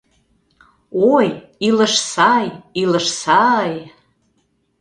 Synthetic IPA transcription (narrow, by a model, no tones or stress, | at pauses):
oj | iləʃsɑjiləʃsɑj